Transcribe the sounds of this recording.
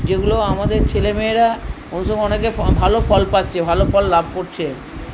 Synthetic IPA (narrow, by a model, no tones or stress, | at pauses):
d͡ʑeɡuloamad̪eɾt͡ɕʰelemeeɾa | onuʃɔɡɔnekebʱalofʰɔlpat̪ːɕʰebʱalofɔlːab̚ʱkoɾt͡ɕʰe